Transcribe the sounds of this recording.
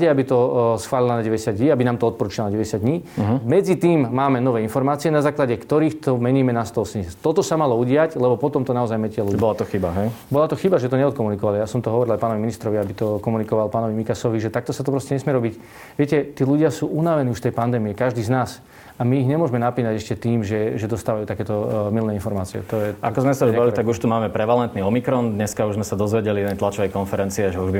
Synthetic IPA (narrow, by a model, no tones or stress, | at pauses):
ɛabit̪ɔsxʋaːlilanaɟɛʋɛɟɛsjad̪ɲiːabinaːmt̪ɔɔt̪̚pɔɾuːt͡ʃilɔnaɟɛʋɛɟɛsjad̪ɲiːmɛd͡zit̪iːmːaːmɛnɔʋɛːinfɔɾmaːt͡siɪɛnazaːklaɟɛkt̪ɔɾiːxt̪ɔmɛɲiːmɛnast̪ɔlˠsɛɲɛst̪ɔt̪ɔsamalɔuɟɪaclɛbɔpɔt̪ɔmt̪ɔnaɔzajmɛcɪalubɔlat̪ɔxiba̰ɦɛjbɔlat̪ɔxibaʒɛt̪ɔɲɛɔt̪̚kɔmunikɔʋalijasɔmt̪ɔɦɔʋɔɾilajpaːnɔʋiminist̪ɾɔʋiabit̪ɔkɔmunikɔʋalpaːnɔʋimikasɔʋiʒɛt̪ak̚t̪ɔsat̪ɔpɾɔscɛɲɛsmɪɛɾɔbic | ʋɪɛcɛt̪iːluɟɪasuːʔunaʋɛniːuʃft̪ɛjpand̪ɛːmiɛkaʒd̪iːznaːs | amiːɣɲɛmʊɔʒmɛnapliːnaɟɛʃcɛt̪iːmʒɛʒɛd̪ɔst̪aːʋajuːt̪akɛːt̪ɔmilnɛinfɔɾmaːt͡siɛ̰t̪ɔjɛa̰kɔzmɛsabailit̪aɡuʃt̪umaːmɛpɾɛʋalɛnt̪niɔmikɾɔnd̪ɲɛskauʒzmɛsad̪ɔzʋɛɟɛlid̪ɛjt̪lat͡ʃɔʋɛjkɔnfɛɾɛnt͡siɛʒɛuʒbi